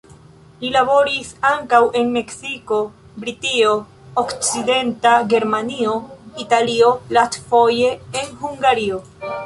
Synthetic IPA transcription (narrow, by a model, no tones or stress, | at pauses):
lilabo̞ɾisaŋkawʔe̞nme̞ksiko̞ | bɾitio̞ | okt͡side̞ntaɡe̞ɾmanio̞italio̞lastfo̞je̞ːnhuŋɡaɾio̞